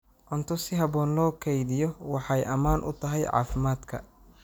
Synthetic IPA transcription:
ʔɔnt̪ʰɔsɪɦɐbɔːnlɔːkʰɛjðɪjɔwɑħɑjʔɐmaːnʔʊ̰t̪ʰɐɦɛjʕɑ̰ːfɪmaːd̪kʰɐ

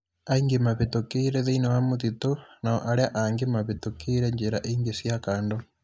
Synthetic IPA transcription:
aiŋɡemaβetokeiɾeðeinewamotitonaoʔaɾeaʔaŋɡemaβetokeiɾeɲd͡ʒeɾaʔiːŋɡesjakaːndo

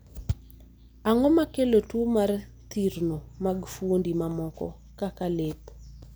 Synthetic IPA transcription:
aŋɔmakelotwomar | t̪iɾnomaɡfwondimamɔkɔ̰ | kakalep

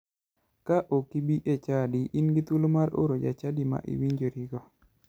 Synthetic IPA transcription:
kaʔokibiʔet͡ʃadiʔinɡit̪ulomaɾo̰ɾod͡ʒa̰t͡ʃadima̰ʔḭwiɲd͡ʒoɾiɡɔ

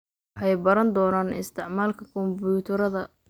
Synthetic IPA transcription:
ħɑjbɐɾɐnd̪ɔːnaːnɪ̰st̪ʰɪʕmaːlkʰɐkʰɔmbut̪ʰɐɾɐðɐ

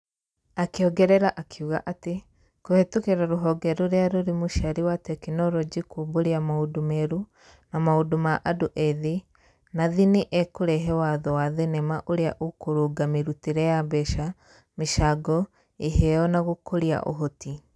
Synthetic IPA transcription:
akeɔɡɛɾɛɾaʔakʰiuɣa̰ʔate | kohetukeɾaɾoɦɔɡɛɾoɾeaɾoɾemoʃaɾiwatɛkinɔɾɔd͡ʒikuboɾeamaudomɛɾu | namaodomaʔadoʔɛði | naðiniʔɛkoɾɛɦɛwaðɔwaðenɛmaʔoɾeaʔokoɾoɡameɾutiɾɛjabɛʃa | meʃaɡɔ | eɦɛɔnaɣokoɾia̰ʔo̰ɦoti

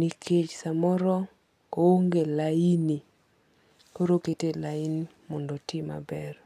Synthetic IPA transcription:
nikʰet͡ʃsamɔɾɔ | kooŋɡelaini | koɾoketelaini | mɔndɔtɪma̰bɛr

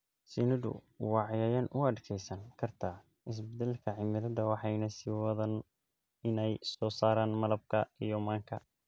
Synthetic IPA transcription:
sinɐðʊ̰ | wɑːʕjaːjɐnʊɐɖkʰɛjsɐŋkʰɐrt̪ʰa | ɪs̬bɛd̪ɛlkʰɐʕɪmɪɾɐðɐwɑħɑjnɐsɪwɐðɐn | ɪnɛjsɔːsaːɾaːnmɐlɐb̚kʰɐijɔmaːŋkʰɐ̰

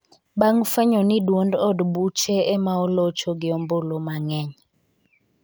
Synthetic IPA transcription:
baŋfɛɲɔnidwondɔdbut͡ʃɛɛmaɔlot͡ʃɔɡɪɔmbolomaŋɛɲ

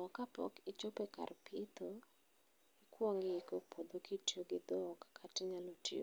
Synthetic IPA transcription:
ɔkapɔ̰kɪt͡ʃopeka̰rpit̪o | ɪkwoŋɪikopʰod̪okʰitjoɡɪd̪ɔkːatɪɲalotjo̰

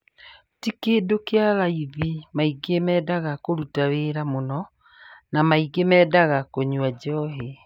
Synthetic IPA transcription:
tikedokealaiðimaiɡemɛːdaɣakoɾutaweɾamonɔ | namaiɡemɛːdaɣakoɲwad͡ʑɔɦe

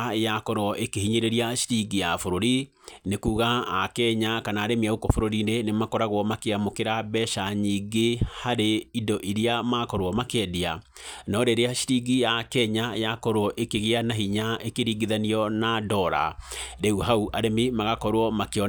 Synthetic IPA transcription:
jakɔɾwɔʔekehiɲeɾeɾiaʃi̥ɾiɡijafoɾoɾi | nekuːɣaːkɛɲakanaːɾemiaukɔfoɾoɾinenemakɔɾaɣwɔmakeamokeɾabɛʃaɲiɡehaɾeidɔʔiɾiamakɔɾwɔmakɛdea | nɔɾeɾeaʃi̥ɾiɡijakɛɲajakɔɾwɔʔekeɣeanaɦiɲaʔekeɾiɡiðaniɔnadɔɾa̰ɾeuɦauʔaɾemimaɣakɔɾwɔmakeɔ

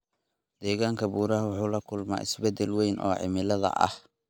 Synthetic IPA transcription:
d̪ɛːɣaːŋkʰɐbuːɾɐɦɐwʊħuːlɐkʰʊlma̰ːɪ̰sbɛd̪ɛlwɛjnʔɔ̰ːʕɪ̰mɪlɐðɐ̰ʔɐ̰h

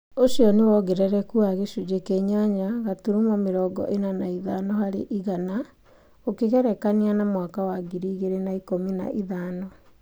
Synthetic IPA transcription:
osiɔnewɔɣeɾɛɾɛkuaɣeʃud͡ʒekeɲaɲaɣatuɾumɔmeɾɔɡɔ̰ʔenanaiðanɔhaɾḛʔiɣana | okeɣɛɾɛkanianamwakawaɡiɾiɣeɾenaikomina̰ʔiðaːnɔ

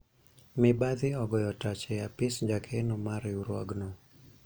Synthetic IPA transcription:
mɪbad̪ɪɔɡɔjɔtat͡ʃɛjapɪsɲd͡ʒakʰenomaɾɪuɾwaɡno

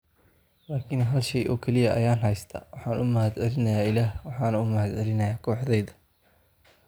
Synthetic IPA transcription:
laːkʰɪnɦɐlʃɛjʔɔ̰ːkʰɛlɪjɐʔɐ̰jaːnɦɐjst̪ʰɐ̰ːwɑħɑːnʔʊmɐhɐd̪ʕɛlɪnɐjaːɪlaːhwɑħɑːnɐʊmɐhɐd̪ʕɛlɪnɐjaːkʰɔːħd̪ɛjðɐ̥

